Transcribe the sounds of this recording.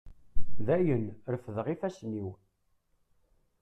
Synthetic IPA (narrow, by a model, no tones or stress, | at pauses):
ðæjənɾəfðʁifæsniw